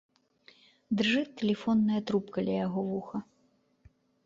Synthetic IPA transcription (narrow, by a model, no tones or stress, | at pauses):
d̪rʐɨt̪ːɛlʲɛfɔnːɐjɐt̪ɾupkɐlʲɛjaɣɔvuxɐ